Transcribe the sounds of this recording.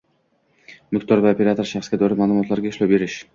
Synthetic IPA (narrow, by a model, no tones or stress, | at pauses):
mʊkt̪ʰɒɾvaope̞ɾat̪oɾʃaχsɡʲad̪ɒɾamaːlˠumɒt̪laɾɡʲaɪʃlawbe̞ɾɪʃ